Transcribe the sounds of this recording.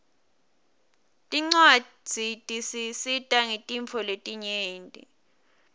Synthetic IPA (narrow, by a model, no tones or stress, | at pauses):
tʼiŋ͡ǀwḁ | d͡z̥ʱitʼisisitʼaŋitʼiɱfʰɔletʼiɲeːntʼḭ